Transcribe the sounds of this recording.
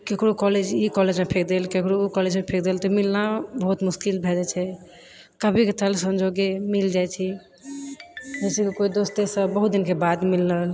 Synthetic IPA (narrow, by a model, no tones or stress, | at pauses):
kekɾokɔled͡ʒikɔled͡ʒmẽpʰekʰd̪elkekɽoːkɔled͡ʒmẽpʰek̚d̪elt̪ɔmilnabəɦut̪muskilbʱɛd͡ʒɛt͡ʃʰɛ | kəbʱiket̪əlsəmd͡ʒoɡemild͡ʒajt͡ʃʰi | d͡ʒɛsikekoid̪ost̪esəbəɦut̪̚d̪inkebad̪milːəl